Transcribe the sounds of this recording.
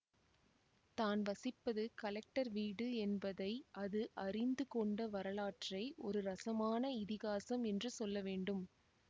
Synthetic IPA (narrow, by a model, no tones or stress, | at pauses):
t̪aːnʋɐsɪpːɐðɯkɐlɛk̚ʈɐɾʋiːɽɯɛnbɐðɐɪʔɐðɯʔɐrɪnd̪ɯkɔɳɖɐʋɐɾɐlaːʈrɐɪʔɔ̰ɾɯɾɐsɐmaːnɐɪðɪɣaːsɐmɛndrɯsɔlːɐʋeːɳɖɯm